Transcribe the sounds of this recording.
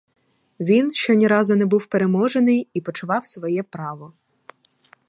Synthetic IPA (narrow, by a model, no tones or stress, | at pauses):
ʋʲinʃt͡ʃɔnʲiɾɑzʊnɛbuwpeɾemɔʒenɪjipɔt͡ʃʊʋɑwsʋɔjɛpɾɑʋɔ